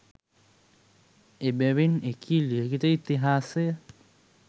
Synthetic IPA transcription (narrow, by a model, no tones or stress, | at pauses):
ebeβinekʰiliekit̪eit̪ːiɦase